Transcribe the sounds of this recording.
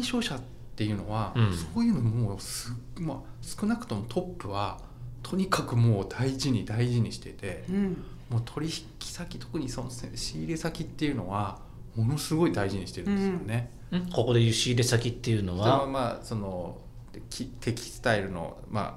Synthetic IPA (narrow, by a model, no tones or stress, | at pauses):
aĩĩɕo̞ːɕat̪ːe̞jɯ̟no̞̰β̞aso̞ːjɯ̟nomoːsɨ | masɨ̥kɯ̟nakɯ̟̥t̪o̞mo̞t̪ʰo̞pːɯ̟βa | t̪ʰo̞ɲ̟ikakɯ̟mo̞ːd̪aiʑiɲ̟id̪aiʑiɲ̟iɕi̥t̪e̞t̪e̞ | mo̞ːt̪ʰo̞ɾʲiçi̥kʲi̥sakʲi̥t̪ʰo̞̥kɯ̟ɲ̟iso̞nosḛɕiːɾe̞sakʲit̪ːe̞jɯ̟no̞βa | mo̞no̞sɨɡo̞id̪aiʑiɲ̟iɕi̥t̪e̞ɾɯ̟nd̪esɨjone̞ | ko̞ko̞d̪ejɯɕiːɾe̞sakʲit̪ːe̞jɯ̟no̞βaoamaːso̞no̞ | kʲʰit̪ʰe̞kʲi̥sɨ̥t̪aiɾɯ̟no̞̰ | ma̰